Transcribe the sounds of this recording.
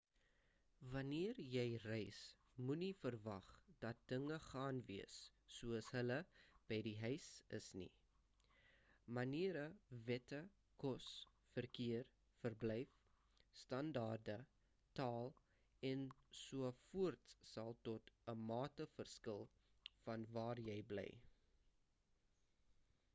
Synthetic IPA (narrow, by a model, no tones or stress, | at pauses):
vɐniərjɛjrɛjs | munifərvɐχd̥ɐt̚d̥əŋəχɑːnviəsː | uəsɦələb̥ɛjdiɦœɥsə̰snḭ | mɐniəɾəvɛtə | kɔs | fərkiər | fərblɛjf | stɐndɑːrdə | tɑːlˠ | ɛnsuəfuərtsɐlˠtɔtəmɑːtəfərskəlˠ | fɐnvɑːrjɛjblɛ̰j